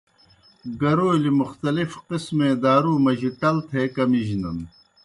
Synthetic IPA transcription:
ɡɐɾoːlimuxt̪ɐlifqismẽːd̪aːɾuːmɐʑiʈɐlt̪ʰeːkɐmiʑnɐn

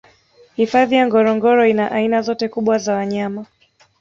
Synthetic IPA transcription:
hifaðijaŋɡɔɾɔŋɡɔɾɔinaʔainazɔtɛkuɓwazawaɲama

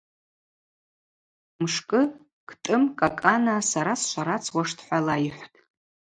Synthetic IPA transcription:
mʂkʼɨ | kʰtʼɨmkʼakʼanasaɾasʃʷaɾat͡sʰwaʂtʰħʷalaiħʷtʼ

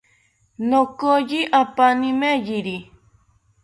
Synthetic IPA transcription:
nokojiʔapanĩmejiɾi

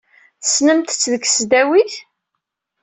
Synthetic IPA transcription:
θə̥snəmt̪ə̥t͡sːðəkːsd̪æwiθ

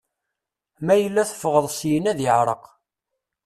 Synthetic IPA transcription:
mæjəlːæθə̥fʁəðˤsjənæðjəʕɾˤəq

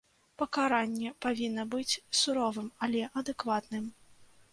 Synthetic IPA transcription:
pɐkaɾanʲːɛpavʲinːɐbɨt͡sʲsuɾɔvɨmɐlʲɛʔɐd̪ɨkvat̪nɨm

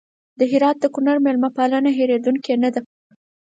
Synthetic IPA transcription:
d̪əɦɪɾɑt̪̚d̪əkʊnaɾmelmapalənaɦeɾed̪uŋkenad̪a

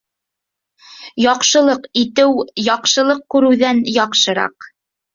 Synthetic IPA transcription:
jɑqʃɤ̆lˠɤqit̪ɘwjɒqʃɤ̆lˠɤq̚kʉɾɘ̆wðænjɑqʃɤ̆ɾɑ̰q

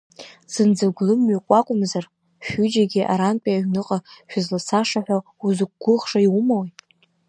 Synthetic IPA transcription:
z̥ɨnd͡zaɡʷlɨmɥakʷʼakʷʼʊmzar | ʃᶣʏd͡ʒaɡʲɪʔa̰ɾanpʼiaɥnɨqʼaʃᶣʊzlasaʂaħʷᶣa | uzɨk̚ʷɡʷʊʁʂaiwʊmawi

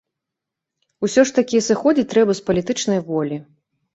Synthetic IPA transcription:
usʲɔʂt̪ɐkʲiɛsɨxɔd͡zʲitt͡sʲt̪ɾɛbɐspɐlʲit̪ɨt͡ʂnɐjvɔlʲi

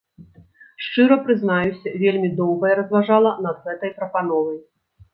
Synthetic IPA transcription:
ʂt͡ʂɨɾɐpɾɨzn̪ajusʲɐvʲelʲmʲid̪ɔwɣɐjɛɾɐzvaʐalˠɐnɐd̪ɣɛt̪ɐjpɾɐpanɔvɐj

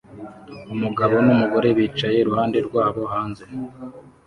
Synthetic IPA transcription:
umuɡaβo̞numuɡo̞ɾe̞βiːt͡ʃaje̞ɾuhaːnde̞ɾɡwaːβo̞haːnze̞

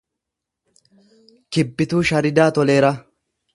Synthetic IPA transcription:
kɪbːɪt̪uːʃɐɾɪd̪aːt̪ɔle̞ːɾɐ

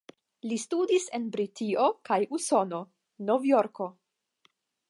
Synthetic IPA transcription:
listudise̞nbɾitio̞kajuso̞no̞ | novjo̞ɾko̞

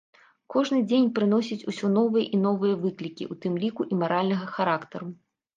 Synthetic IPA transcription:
kɔʐnɨd͡zʲenʲpɾɨn̪ɔsʲit͡sʲusʲɔnɔvɨjɐʔin̪ɔvɨjɐvɨklʲikʲḭʔut̪ɨmlʲikuʔimaɾalʲnɐɣɐxaɾakt̪ɐɾu

